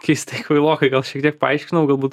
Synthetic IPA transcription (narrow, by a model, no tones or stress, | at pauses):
kɐɪst̪ɐɪkʋɐɪlˠoːkɐɪɡɐlˠʃʲiɛk̚t̪iɛk̚pɐɐɪʃʲkʲɪnɐʊɡɐlˠbuːt̪